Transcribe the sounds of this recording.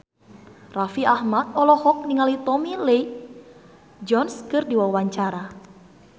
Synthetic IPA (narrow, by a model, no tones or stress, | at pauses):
rafiahmat̪̚ɔlɔhɔk̚niŋalit̪ɔmilei | d͡ʒɔnskɨrdiwawaɲt͡ʃaɾa